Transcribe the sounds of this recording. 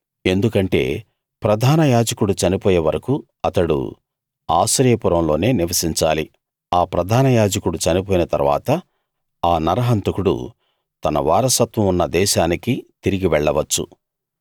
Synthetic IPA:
e̞nd̪ukɐɳʈe̞̰ː | pɾɐd̪ʱaːnɐjaːd͡ʒɐkuɽut͡ʃɐnipɔːjeʋɐɾɐku | ɐt̪ɐɽṵ | a̰ːʃɐɾjɐpuɾɐmlo̞ːne̞ːniʋɐsiɲt͡ʃa̰ːli | aːpɾɐd̪ʱaːnɐjaːd͡ʒɐkuɽut͡ʃɐnipɔːjinɐt̪ɐ̰ɾʋa̰ːt̪ɐ | aːnɐɾɐɦɐnt̪ɐkuɽṵ | t̪ɐnɐ̰ʋa̰ːɾɐsɐt̪ʋɐmunːɐd̪ɛːʃaːnikit̪iɾiɡiʋɛɭːɐʋɐt͡ʃːṵ

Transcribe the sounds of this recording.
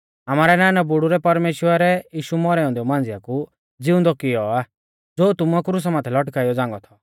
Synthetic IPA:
amaːɾɛnaːnɛbʊɽuɾɛpɐɾmeːʃwəɾɛjiːʃumɔɾɛɔ̃nd̪iɔmãːnd͡zɪjaku | d͡zɪʊ̃nd̪ɔkɪjɔa | d͡zoːt̪ʊmuakɾus̬amaːt̪ʰɛlɔʈkaːijɔd͡zãːŋɡɔt̪ʰɔ̥

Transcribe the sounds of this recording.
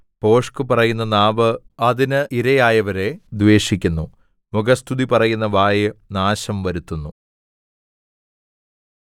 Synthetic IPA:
po̞ːʂkɨpɐrɐjunːɐnaːʋɨ | ɐðinɨʔiɾɐjaːjɐʋɐɾe̞d̪ʋe̞ːʂikʲːunːu | muɡɐst̪ʰuðipɐrɐjunːɐʋaːjnaːɕɐmʋɐɾut̪ːunːu

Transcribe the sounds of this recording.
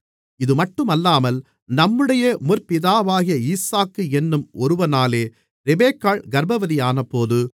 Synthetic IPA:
ɪðɯmɐʈːɯmɐlːaːmɐl | nɐmːɯɽɐjɐmʊrpɪðaːʋaːɣɪjɐiːsaːkːɯɛnːɯmɔɾɯʋɐnaːleː | ɾɛbeːkːaːɭɡɐɾbɐʋɐðɪjaːnɐpːoːðɯ

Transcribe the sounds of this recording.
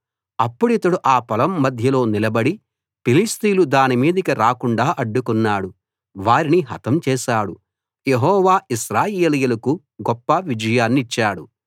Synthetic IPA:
ɐpːuɽit̪ɐɽuʔaːpɐlɐmːɐd̪ʱjɐlo̞ːnilɐbɐɽi | pilist̪iːlud̪aːnimiːd̪ɐikiɾaːkuɳɖaːʔɐɖːukunːaːɽu | ʋaːɾiniɦɐ̰t̪ɐmt͡ʃɛːʃaːɽu | jeɦɔːʋaːiʃɾaːjeːlijulɐku | ɡɔpːɐʋid͡ʒɐjaːnːiːt͡ʃːaːɽu

